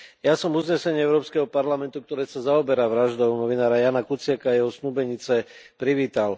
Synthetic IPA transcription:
jasɔmuzɲɛsɛɲɪɛʊɾɔːpskɛɦɔpaɾlamɛnt̪ukt̪ɔɾɛːsazaɔbɛɾaʋɾaʒd̪ɔʊnɔʋinaːɾajaːnakut͡sɪakaːjɛɦɔsnubɛɲit͡sɛpɾiʋiːt̪al

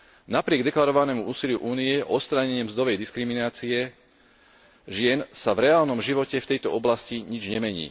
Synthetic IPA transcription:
napɾɪɛɡd̪ɛklaɾɔʋanɛːmuʔuːsilɪjuʔuːniɛʔɔɔt̪st̪ɾaɲɛɲɪɛmzd̪ɔʋɛjd̪iskɾiminaːt͡siɛ | ʒɪɛnsavɾɛaːlnɔmʒiʋɔcɛft̪ɛjt̪ɔɔblasciɲid͡ʒɲɛmɛɲḭː

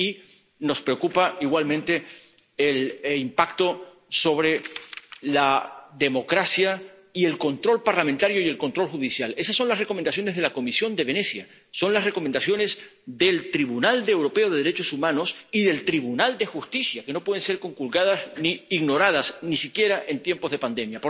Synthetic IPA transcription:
i | no̞spɾeokupaiɣwalmẽnt̪e̞ | elimpakt̪o̞ | so̞β̞ɾe̞ | laðe̞mo̞kɾasja | ie̞lko̞nt̪ɾo̞lpaɾlamẽnt̪aɾjo̞ie̞lko̞nt̪ɾo̞lxuðisjale̞sasːo̞nlasre̞ko̞menasjo̞ne̞zðe̞lako̞misjo̞nd̪e̞βe̞ne̞sja | so̞nlasre̞ko̞mend̪asjo̞nes | ðe̞lt̪ɾiβunald̪ewɾo̞pe̞o̞ðe̞ðeɾe̞t͡ʃo̞sumãno̞siðe̞lt̪ɾiβunald̪e̞xust̪isjake̞no̞pwe̞ðe̞nse̞ɾko̞ŋkulɣaðazniiɣno̞ɾað̞asnisikje̞ɾaʔe̞nt̪je̞mpo̞zðe̞pand̪e̞mjapo

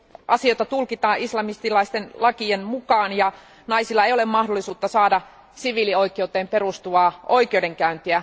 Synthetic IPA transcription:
ʔɑsijojt̪ɑt̪ulkit̪ɑːʔislɑmist̪ilɑist̪enlɑkienmukɑːnjɑ | nɑisilːɑeijolemmɑhdolːˑisuːt̪ːɑsɑːdɑ | siʋilioikˑewt̪ːˑeːmperust̪uʋɑːʔoikˑewdeŋkæynt̪iæ

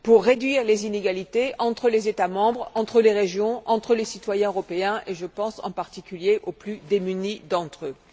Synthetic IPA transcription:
puʁːed̪ɥiʁlezineɡalit̪eɑ̃t̪χəlezet̪amɑ̃bʁɑ̃t̪χəleʁeʒjɔ̃ɑ̃t̪χəlesit̪wajɛ̃øʁɔpeɛ̃ʔeʒəpɑ̃sɑ̰̃paʁt̪ikʲyljeʔoplyd̪emynid̪ɑ̃t̪χø

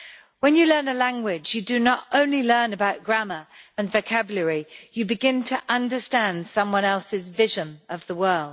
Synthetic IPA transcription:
wə̃njɨlɜ̃˞nəlæ̃ŋɡwɪd͡ʒjɨdɨnətõʊ̃nlilɜ˞nəbaʊʔ̚ɡ̥ɹæməə̃nvəʊkʰæbjlˠəɹijɨbɨɡɪ̃ntʰəʔʌ̃ndəstæ̃nd̥sʌ̃mwʌ̃nɛlˠsɪzvɪʒə̃nʔʌvðəwɜ˞lˠd̥

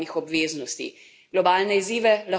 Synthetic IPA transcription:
nixɔbʋeːznɔst̪ḭ | ɡ̥lɔbaːlnɛiziːʋɛlɐ

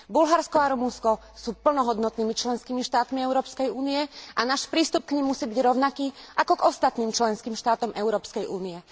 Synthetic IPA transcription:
bulɦaɾskɔaɾumunskɔ | suːpl̩nɔɦɔd̪nɔt̪niːmit͡ʃlɛnskiːmiʃt̪aːt̪miɛʊɾɔːpskɛjuːniɛʔanaːʃpɾiːst̪up̚kɲimːusiːbiɟɾɔʊnakiːʔakɔɡɔst̪at̪niːmt͡ʃlɛnskiːmʃt̪aːt̪ɔmʔɛʊɾɔːpskɛjuːniɛ

